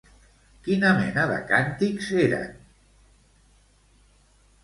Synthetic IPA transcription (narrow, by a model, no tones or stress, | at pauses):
kinəmɛ̰nəðə̰kant̪ikzeɾə̰n